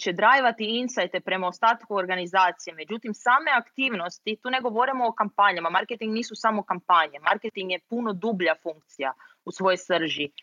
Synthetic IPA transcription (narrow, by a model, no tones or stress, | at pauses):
t͡ʃe̞d̪ɾaːjʋat̪iinsajt̪e̞pɾe̞maost̪aːt̪kuoɾɡanizaːt̪sijeme̞d͡ʒut̪imsaːme̞akt̪iːʋno̞st̪it̪uːne̞ɡo̞ʋo̞ɾimoːkampaɲamamaɾket̪iŋɡniːsusamo̞kampaɲe̞maɾket̪iŋɡjepuno̞d̪ubʎafuŋk̚t̪sijausʋo̞josr̩ʒi